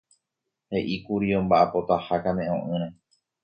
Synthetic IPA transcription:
he̞ʔikuɾiõmbaʔapo̞t̪ahakãmẽʔõʔɨ̃ɾ̃ã

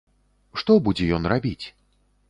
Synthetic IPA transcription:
ʂt̪ɔbud͡zʲɛjɔnrabʲit͡sʲ

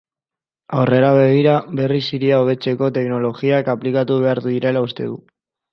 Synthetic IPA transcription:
awre̞ɾaβ̞e̞ɣ̞iɾaβe̞risiɾiaoβe̞t͡se̞ko̞t̪e̞kno̞lo̞ɣiakaplikat̪uβe̞aɾðuðiɾe̞laust̪e̞ðu

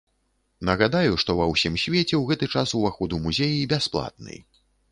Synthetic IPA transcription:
nɐɣad̪ajuʂt̪ɔvɐwsʲimsʲvʲet͡sʲɛwɣɛt̪ɨt͡ʂasuvaxɔd̪umuzʲejibʲasplˠa̰t̪̚nɨ̰j

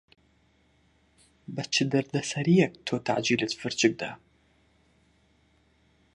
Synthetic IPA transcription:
bɐt͡ʃʰɪd̪ɐrd̪ɐsɐɾijɛk̚tʰoːtʰa̰ʕd͡ʒiːlɨtfɨrt͡ʃʼɪɡ̚d̪a

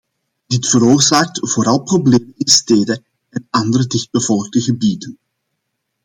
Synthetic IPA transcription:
d̥ɪtfəɾoːrzaːk̚tv̥oːɾɑlˠprobleːmənɪnsteːdə | ɛnɑndəɾədɪxd̚bəv̥ɔlˠɡ̚dəɣəbiːdən

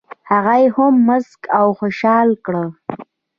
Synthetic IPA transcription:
haɣajehʊmːʊzkawxoʃɑlkɽə

